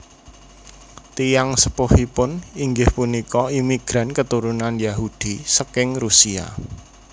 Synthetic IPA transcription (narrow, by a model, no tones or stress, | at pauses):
t̪ijaŋsəpohipʊniŋɡɪhpunikɔimiɡ̥ɾa̤nkət̪uɾunanjaɦud̥i̤səkɪŋrusia̰